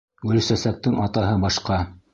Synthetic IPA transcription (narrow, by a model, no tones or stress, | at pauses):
ɡɵ̆lsæsæk̚t̪ɘŋɑt̪ɑɦɤbɑʃqɑ